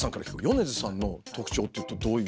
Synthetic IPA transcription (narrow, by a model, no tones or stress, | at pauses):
sãŋkaɾa̰çi̥kojone̞zɨsãnːo̞t̪o̞kɯ̟̥t͡ɕo̞ːt̪ːejɯ̟t̪ːod̪o̞ːjɯ